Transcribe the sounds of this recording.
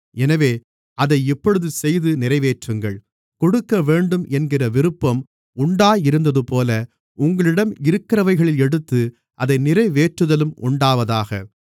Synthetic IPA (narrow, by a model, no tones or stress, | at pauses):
ɛnɐʋeː | ʔɐðɐɪɪpːɔɻɯðɯsɛjðɯnɪɾɐɪʋeːʈrɯŋɡɐɭ | kɔɽɯkːɐʋeːɳɖɯmʔɛnɡɪrɐʋɪɾɯpːɐm | ʊɳɖaːjɪɾɯnd̪ɐðɯpoːlɐ | ʊŋɡɐɭɪɽɐmɪɾɯkːɪrɐʋɐɪɣɐɭɪlɛɽɯt̪ːɯ | ʔɐðɐɪnɪrɐɪʋeːʈrɯðɐlɯmʊɳɖaːʋɐðaːɣɐ̰